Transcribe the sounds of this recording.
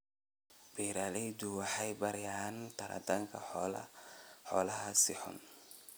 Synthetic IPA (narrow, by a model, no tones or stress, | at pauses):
biɾalid͡ʒuwaħajbaɾjant̪aɾʔa̰t̪aŋkaɔla̰hɔlahasihɔ̰n